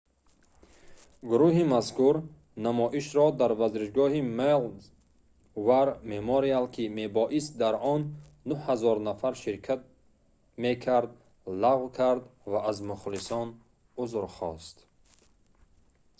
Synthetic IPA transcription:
ɡuɾuɦimaskʰuɾ | namɔʔiʃɾɔd̪aɾvazɾiʃɡɔhimel | vaɾmemoɾialkʰime̞bɔʔis̚d̪aɾɔnː | uhazɔɾnafaɾʃiɾkʰat̪̚ | mekʰaɾd̪ | laʁwkʰaɾd̪vaːzmuχlisɔn | uzɾχɔ̰st̪

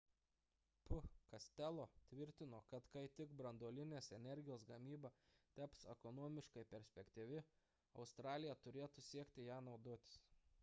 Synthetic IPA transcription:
pʊkɐsʲt̪ʲælˠoːt̪ʲʋʲɪɾʲt̪ʲɪnoːkɐt̪kɐɪt̪ʲɪɡbɾɐnd̪oːlʲɪnʲeːsɛnʲɛɾʲɡʲɪjoːsɡɐmʲiːbɑt̪ʲæpsɛ̰kɔnoɔmʲɪʃkɐɪpʲɛɾʲsʲpʲɛkʲt̪ʲiːʋʲɪ | ɐʊst̪ɾɑːlʲɪjɛt̪ʊɾʲeːt̪usʲiɛkʲt̪ʲɪjæːnɒʊd̪oːt̪ʲɪ̥s

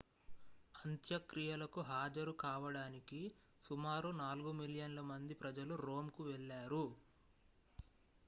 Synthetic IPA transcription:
ɐnt̪jɐkɾijɐlɐkuɦaːd͡ʒɐɾukaːʋɐɽaːniki | sumaːɾunaːluɡumiljɐnlɐmɐnd̪ipɾɐd͡ʒɐluɾo̞ːmkuʋɛɭːaːɾu

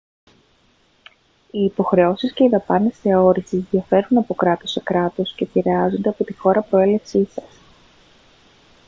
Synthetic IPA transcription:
iːpo̞xɾe̞o̞sisce̞iðɐpɐnesθe̞o̞ɾisizðiɐfe̞ɾunɐpo̞kɾɐt̪o̞sekɾɐt̪o̞sce̞piɾe̞ɐzo̞nd̪e̞ɐpo̞t̪ixo̞ɾɐpɾo̞e̞le̞fsisɐs

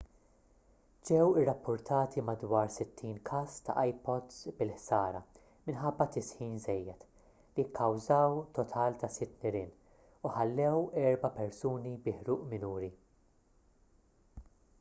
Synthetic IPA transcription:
d͡ʒɛwɪrːɐpːʊɾt̪ʰɐːt̪ʰimɐd̪wɐːɾsɪt̪ːiːnkʰɐːst̪ɐ̰ʔɐjpɔd̪sbɪlħsɐːɾɐ̰ | mɪnħɐbːɐt̪ɪsħiːnzɛjːɛt̪ | liɪkʰːɐwzɐːwt̪ɔt̪ʰɐːlt̪ɐsɪt̪ːnɪɾɪːn | ʊħɐlːɛwɛɾbɐpɛɾsuːnibɪħɾuːʔmɪnuːɾi

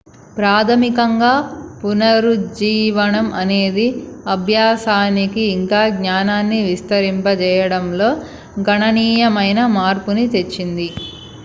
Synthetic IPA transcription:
pɾaːt̪ʰɐmikɐŋɡaːpunɐɾud͡ʒiːʋɐnɐmʔɐne̞ːd̪iɐbʱjaːsaːnikiːŋkaːɡɲaːnaːnːiʋist̪ɐɾimpɐt͡ʃɛːjɐɽɐmlo̞ː | ɡʱɐɳɐniːjɐmɐjnɐmaːɾpunit̪e̞t͡ʃːind̪i

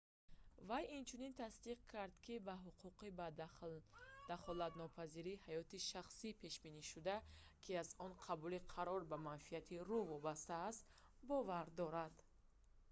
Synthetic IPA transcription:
vajint͡ʃʰunint̪ʰasd̪iq̚kʰaɾd̪kʰibaɦuqʰuqiba | d̪̥aχɔlad̪nɔpʰaziɾihajɔt̪iʃaχsipʰe̞ʃbiniʃud̪akʰiazɔnqʰabuliqʰaɾɔɾbamanfiat̪ʰiruvɔbast̪aːst̪ | bɔvaɾd̪ɔɾad̪

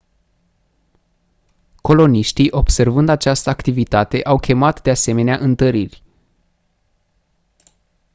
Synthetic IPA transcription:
ko̞lo̞niʃt̪iʔo̞bse̞rvɨnd̪at͡ʃast̪əakt̪ivit̪at̪e̞ʔawkʲʰe̞mat̪d̪ease̞me̞neaʔɨnt̪əɾirʲ

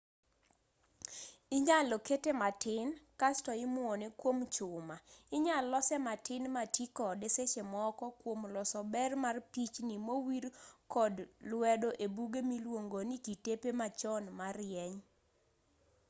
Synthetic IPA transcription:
ɪɲaloketematɪnkastɔɪmwɔnekwomt͡ʃʊmaɪɲalɔsɛmatɪnmatikɔdeset͡ʃemɔkɔkwomlɔsɔbɛrmarpit͡ʃnimowirkɔdlwɛdoʔebuɡemilwoŋɡonikitepemat͡ʃɔnmarɪjɛɲ

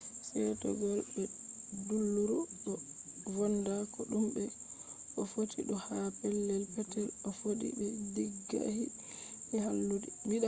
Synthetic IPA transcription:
sɛtɔ̰ɡɔlɗɛdulːuɾuɗɔvɔndakɔɗumbɛ | ʔɔfotʰiɗɔhapɛlːɛlpɛtɛlɔfoɗḭbɛdiɡːa̰hi | mɛhalːudimiɗa

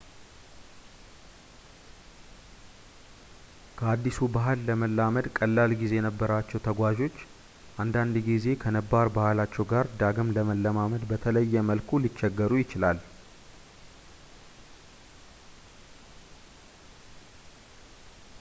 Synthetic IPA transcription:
kʰəad̪ːisubaɦɨlːəməlːaməd̪kʼəlːalɡize̞jɛnəbːəɾat͡ʃːɛwt̪ʰəɡʷaʒo̞t͡ʃː | ʔand̪and̪ɡize̞kʰənəbaɾbahɨlat͡ʃːɛwɡaɾd̪aɡɨmləməlːəmaməd̪bət̪ʰələjːɛməlkʰulit͡ʃːɛɡːəɾujɪt͡ʃɪlal

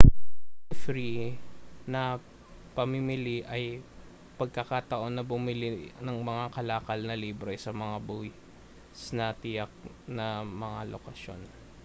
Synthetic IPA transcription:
fɾi | nɐ | pɐmɪmɪliʔɐj | pɐɡ̚kɐkaːt̪ɐʔo̞nːɐbʊmɪlinɐŋmɐŋakɐlaːkɐlnɐliːbɾɛsɐmɐŋabuj | snɐt̪ɪjɐk̚ | nɐmɐŋalo̰kɐʃo̞̰n

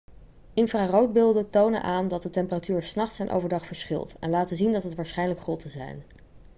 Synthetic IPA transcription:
ʔɪnfraːrowd̚bɪlˠdətownə̰nʔaːndɑt̚dətɛmpəratyːɹsnɑχtsɛjnʔo̰wvəɹdɑχfəɹsχɪ̰lˠtɛ̰nlaːtəzindɑtɦətʋaːɹsχɛjnləkχrotəzɛ̰jn

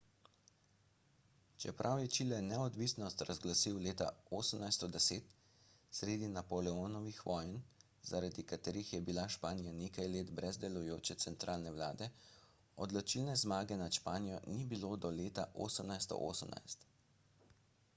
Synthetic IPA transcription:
t͡ʃɛpɾʔawjɛt͡ʃilɛnɛɔd̪ʋisnɔst̪ɾazɡlasiwleːt̪a̰oːsəmnajst̪ɔd̪ɛseːt̪ | sɾeːd̪inapɔlɛoːnɔʋixʋɔːjn | zaɾad̪ikat̪eːɾixjɛbilaʃpaːnijaneːkajleːt̪bɾɛzd̪ɛlujoːt͡ʃɛt̪sɛnt̪ɾʔaːlnɛʋlaːd̪ɛ | ɔd̪lɔt͡ʃilnɛzmaːɡɛnaʃpaːnijɔnibilod̪ɔleːt̪aʔo̰ːsəmnajst̪ɔ̰ʔo̰ːsəmna̰jst̪

